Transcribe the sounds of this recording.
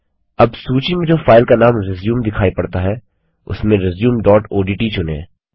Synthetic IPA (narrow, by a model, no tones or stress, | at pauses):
ɐbsuːt͡ʃimẽd͡ʒoːfaːɪlkanaːmɾɪzjuːmd̪ɪkʰaːipɐɽt̪aɦɛː | ʊ̰smẽɾɪzjuːmɖɔːʈoːɖiːʈit͡ʃʊnḛ̃ː